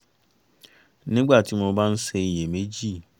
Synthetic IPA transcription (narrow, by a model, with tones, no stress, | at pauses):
nɪ̃˦ɡ͡ba˦˨tʰi˦mɔ̃˨bã˦n̩˦se˦˨je˨me˦d͡ʑi˦˨